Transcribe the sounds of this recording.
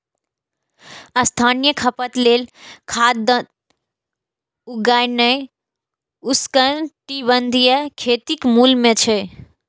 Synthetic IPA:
ɐst̪ʰaːnijəkʰɐpət̪leːlkʰaːd̪ | uɡaːɪnəi | uskənʈibənd̪ʱijəkʰeːt̪ikmuːlmẽt͡ɕʰe

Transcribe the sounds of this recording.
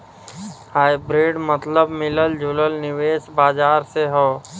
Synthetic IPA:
haːjbɾiːɖmət̪ləbmɪləld͡ʒʱʊləlnɪʋeːsbaːd͡ʒaːɾseɦoː

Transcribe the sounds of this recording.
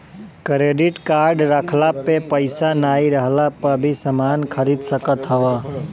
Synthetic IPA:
kɾeːɖɪʈkaːɾɖɾakʰlapepəɪsanaːiɾəɦlapəɾbʱisəmaːnkʰəɾid̪səkət̪ɦəʋaː

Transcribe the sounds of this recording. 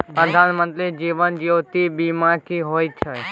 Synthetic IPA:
pɾəd̪ʱanmə̃nt̪ɾid͡ʒiʋənd͡ʒiot̪ibimakiɦojt͡ʃʰe

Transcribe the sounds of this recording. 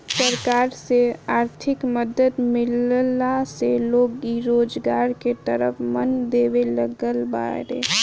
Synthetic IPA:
səɾkaːɾseaːɾt̪ʰɪkməd̪əd̪mɪllaseloːɡiɾoːd͡ʒɡaːɾket̪əɾəfmənd̪eːʋeləɡəlba̰ːɾḛː

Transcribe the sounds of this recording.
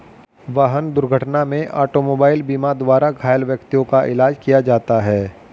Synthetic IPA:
ʋaːɦənd̪ʊɾɡʱəʈnamẽʔa̰ːʈomoːbaːɪlbiːmad̪waːɾaɡʱaːjəlʋjəkt̪ijõkaʔɪlaːd͡ʒkijad͡ʒaːt̪aɦɛː

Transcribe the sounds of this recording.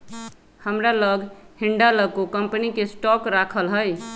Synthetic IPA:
həmɾaləɡʱhiɳɖaləɡ̚kokəmpənikesʈɔkɾakʰəlɦəj

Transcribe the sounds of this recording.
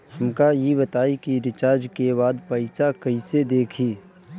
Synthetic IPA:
hɐmkajeβɐt̪aːikiɾɪt͡ʃaːɾd͡ʒkeβaːd̪pəɪsakɐised̪eːkʰiː

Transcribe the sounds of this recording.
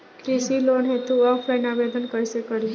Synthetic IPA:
kɾisilonɦet̪uɔfʰlajnabed̪ənkəɾsekəɾi

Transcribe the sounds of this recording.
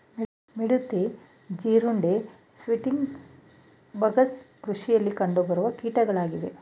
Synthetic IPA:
miɽut̪ːe | d͡ʒiːɾuɳɖe | sʋiʈiŋɡ | bʱɐɡɐskɾuʂijɐlːikɐɳɖobɐɾuʋɐkiːʈɐɡɐɭaːɡid̪e

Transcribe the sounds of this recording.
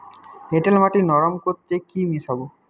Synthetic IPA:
ɦeʈelmaʈinɔɾamkoɾt̪ekimisabo

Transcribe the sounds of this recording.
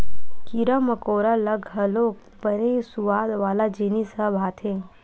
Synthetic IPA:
kiɾəməkoːɾaləɡʱɦəloː | pəɾesuʋaːd̪ʋaːlad͡ʒeːnisəbʱaːt̪ʰẽː

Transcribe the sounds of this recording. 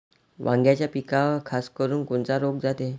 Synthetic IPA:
ʋʔãŋɡjat͡ɕjapikakʰaskəɾuːnkoɳt͡saɾoɡ̚d͡zat̪e

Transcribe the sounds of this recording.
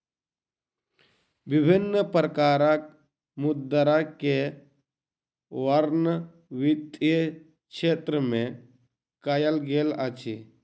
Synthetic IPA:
bɪbʱɪnːəpɾəkaːɾak̚ | mʊd̪əɾake | ʋəɾnə | ʋɪt̪ | kʃʰeːt̪ɾəmẽ | kajəlɡeːlat͡ʃʰi

